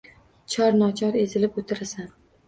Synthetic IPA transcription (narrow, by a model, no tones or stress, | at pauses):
t͡ʃʰɒɾnɒt͡ʃʰɒɾe̞zɪlɪpot̪ʰɪɾasan